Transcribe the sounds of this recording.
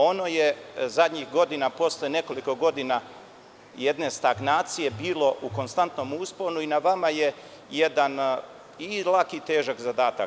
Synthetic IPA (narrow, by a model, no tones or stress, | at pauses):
o̞no̞je̞zad̪ʲɲixɡo̞d̪inapo̞sljene̞ko̞liko̞ɡo̞d̪ina | jed̪ne̞st̪aɡnaːt̪sije̞biːlo̞ʔuko̞nst̪ant̪no̞muːspo̞ɾnuinaʋamaje̞ | jed̪an | ilˠakit̪e̞ːʒakzad̪aːt̪a